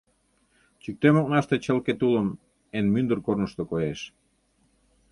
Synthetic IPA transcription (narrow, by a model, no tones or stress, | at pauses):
t͡ɕyk̚t̪emok̚nɑʃt̪et͡ɕəlket̪uləm | enmynd̪ərkornə̆ʃt̪okojeʃ